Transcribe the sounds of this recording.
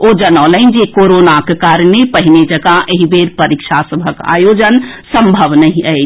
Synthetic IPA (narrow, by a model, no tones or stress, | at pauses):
od͡ʒənələ̃ɪnd͡ʒekoɾonakekaɾnepəɦined͡ʒəɡaʔeɦibeɾpəɾikʃʰasəbʱəka̰jod͡ʒənsəmbʱəʋnəɦĩəɪ